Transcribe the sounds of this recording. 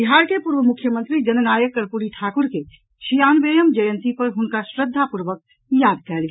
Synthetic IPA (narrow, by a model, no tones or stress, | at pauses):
biɦaːɾkepuɾʋəmʊkʰːjəmə̃nt̪ɾid͡ʒɐnənaːjəkːəɾpuɾiʈʰaːkʊɾke | ʃijaːnʋeːjəmd͡ʒəjə̃nt̪ipəɾɦʊnkasɾəd̪ʱːapuɾʋək̚ | jaːd̪̚kɛːlɡ